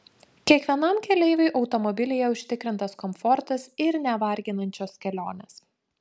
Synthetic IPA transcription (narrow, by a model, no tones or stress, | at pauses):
kʲiɛkʋʲiɛnɐmkʲɛlʲɛɪʋʲɛɪʔɒʊt̪ɔmɔbʲɪlʲɪjɛʊʃʲt̪ʲɪkɾʲɪnt̪ɐskɔmfɔɾt̪ɐsɪɾnʲɛʋɐˑɾʲɡʲɪnɐnʲt͡ʃʲoːskʲɛlʲoːnʲeːs